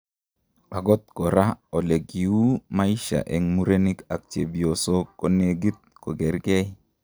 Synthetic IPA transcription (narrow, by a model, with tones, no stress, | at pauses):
a˨ɡɔ˦t̪̚kɔ˨ɾa˦ɔ˨le˨ɡi˨u˦ma˦ji˦ʃa̰˨ʔɛ˨ŋmu˦ɾe˦ni˦ka˨k̚t͡ʃe˨bi˨o˨so˦ko˨ne˨ɡi˦t̪̚kɔ˨ɡɛ˨ɾɡɛ˦